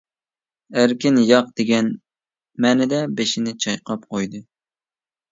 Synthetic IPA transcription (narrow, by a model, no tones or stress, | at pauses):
æɾkʲɪnjɑqd̪̥eɡʲɛn | mɛːnɛd̪ɛbeʃɪnɪt͡ʃʰɑjqʰɑp̚qʰojd̪ɨ